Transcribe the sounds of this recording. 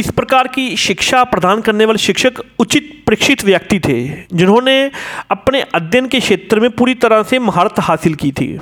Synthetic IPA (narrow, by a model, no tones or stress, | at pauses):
ɪspɾɐkaːɾkiʃɪkʃapɾɐd̪aːnkɐɾneʋaːleʃɪkʃəkʊt͡ʃɪt̪pɾɪkʃɪt̪ʋjəkt̪it̪ʰḛːd͡ʒɪnɦõneɐpneʔɐd̪jənkekʃeːt̪ɾəmẽpuːɾit̪ɐɾəsemɐɦaːɾət̪ɦhaːsɪlkit̪ʰḭː